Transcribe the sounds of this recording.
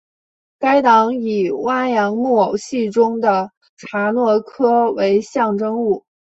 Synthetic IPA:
ka˥ɪt̪ɑ˧˥ŋi˨˩wa˥˩njɑ˧˥ŋmwɔ˥˩˨ɕi˥˩ʈ͡ʂʊ˥ŋd̪ə˨ | ʈ͡ʂʰa˧˥nwɔ˥˩kʰɤ˥we˧˥ɪɕjɑ˥˩ŋʈ͡ʂɤ˥ŋu˥˩

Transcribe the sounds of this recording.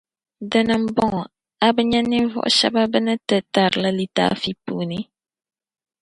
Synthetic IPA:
dɨ˦nɨ˨m̩˦bɔ˦ŋɔ˨ | a˦bɨ˦ɲɛ˦ni˦vɔ̰˦ʔʊ̰˨ʃɛ̰˦ba˦bɨ˦nɨ˦tɨ˨ta˨ɾɨ˨la˦li˦ta̰ː˦fi˦puː˨ni˦

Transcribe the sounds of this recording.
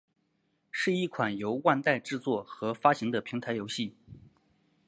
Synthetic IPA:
ʂɻ̩˥˧i˥˩kʰwa˨˩njo˧˥ʊwa˥˧nt̪a˥˧ɪʈ͡ʂɻ̩˥˧t͡swɔ˥˩xɤ˧˥fa˥ɕi˧˥ŋd̪ə˧pʰi˧˥ŋt̪ʰa˧˥ɪjo˧˥ʊɕi˥˩

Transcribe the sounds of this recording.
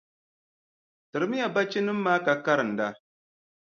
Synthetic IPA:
tɨ˨ɾmi˦ja˨ba˦t͡ʃi˦ni˦mːa˦ka˨ka˦ɾn̩˨da˦

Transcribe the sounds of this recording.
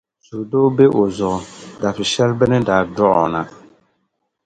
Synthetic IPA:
zu˨doː˦be˦ʔo˨zʊ˨da˨fɪ˨ʃɛ˦lbɛ˦nɨ˦da˨dɔ˦ʔɔ̰˨na˨

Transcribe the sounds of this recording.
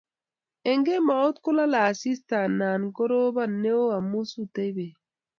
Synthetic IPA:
e˨ŋɡe˦ma˨o˦t̪ku˦la˦la˨si˦sta˨nːa˨nɡo˦ɾo˦ba˦nːe˦o˦a˨mu˦su˦te˦jbe˨

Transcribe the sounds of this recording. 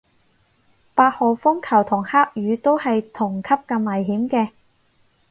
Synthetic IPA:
paː˧t̚hɔː˨˩wfʊ˥ŋkʰɐ˨˩wt̪ʰʊ˨˩ŋhaː˥k̚jyː˨˧t̪o˥whɐ˨jt̪ʰʊ˨˩ŋkʰɐ˥p̚kɐ˧mːɐ˨˩jɦiː˨˥mkɛː˧

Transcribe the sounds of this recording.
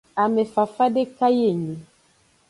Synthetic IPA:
a˨mɛ˨fa˨fa˦de˦ka˦je˦˨ɲe˨

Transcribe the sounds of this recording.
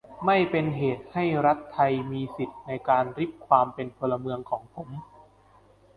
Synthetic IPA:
ma˥˩jpe˧nɦeː˨˩t̪̚ha˥˩jɾa˦˥t̪ʰːa˧jmiː˧si˨˩t̪̚na˧jkaː˧nɾi˦˥p̚kʰwaː˧mpe˧npʰo˧lːa˧mɯ˧əŋkʰɔː˩˦ŋpʰo˩˦m

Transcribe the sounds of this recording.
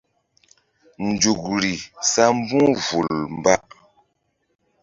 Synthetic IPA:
n̩˨d͡ʒu˨k̚ɾi˨sa˦m̩˦bũ˦vu˨lm˨ba˦ʔ

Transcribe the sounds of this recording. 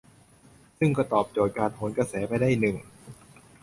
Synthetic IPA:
sɯ˥˩ŋkɔː˥˩t̪ɔː˨˩p̚t͡ɕoː˨˩t̪̚kaː˧npʰoː˩˦nka˧sɛː˩˦pa˧jdaː˥˩˨jnɯ˨˩ŋ

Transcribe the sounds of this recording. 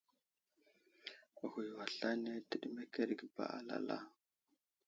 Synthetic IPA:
ɣu˨jwa˨ɬa˦ne˦ti˨ɗi˦me˦ke˦ɾɡba̰˨a˨la̰˨la̰˦

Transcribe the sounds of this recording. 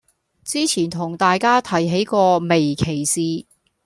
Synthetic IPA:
t͡siː˥t͡sʰiː˨˩nt̪ʰʊ˨˩ŋt̪aː˨jkaː˥t̪ʰɐ˨˩jɦe˨˥jkɔː˧me˨jkʰe˨˩jsiː˨˧

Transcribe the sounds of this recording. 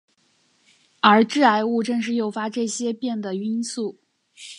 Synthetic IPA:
ə˞˧˥ʈ͡ʂɻ̩˥˩a˧˥ɪu˥˧ʈ͡ʂɤ˥˧ŋʂ̬ɻ̩˥˧jo˥˩ʊfa˥ʈ͡ʂɤ˥˩ɕjɛ˥pjɛ˥˩nd̪ə˩y˥nsu˥˩

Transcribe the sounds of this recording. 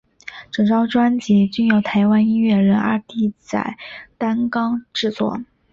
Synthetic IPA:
ʈ͡ʂɤ˨˩ŋʈ͡ʂɑ˥ʊʈ͡ʂwa˥nt͡ɕɛ˧˥t͡ɕy˥˩njo˧˩ʊt̪ʰa˧˥ɪwa˥ni˥nɥɛ˥˩ɻə˧˥na̰˞˧˥t̪i˥˩t͡sa̰˨˩ɪt̪a˥nkɑ˥ŋʈ͡ʂɻ̩˥˧t͡swɔ̰˥˩

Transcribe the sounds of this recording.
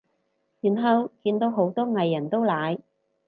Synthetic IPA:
jyː˨˩nɦɐ˨˧wkiː˧nt̪o˨˧wɦo˨˥wt̪ɔː˥ŋɐ˨jːɐ˨˩nt̪o˥wlaː˨˧j

